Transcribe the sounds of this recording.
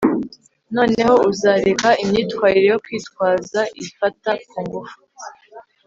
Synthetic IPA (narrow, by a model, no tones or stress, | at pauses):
no̞ːne̞ho̞uzaːɾe̞kaimɲiːtwaːɾiɾejokwiːtwaːzaʔifatakuŋɡufu